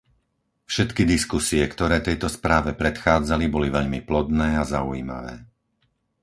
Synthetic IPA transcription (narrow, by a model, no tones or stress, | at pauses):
fʃɛt̪kid̪iskusiɛkt̪ɔɾɛːt̪ɛjt̪ɔspɾaːʋɛpɾɛt̪xaːd͡zalibɔliʋɛʎmiplɔd̪nɛːazaujiːma̰ʋɛː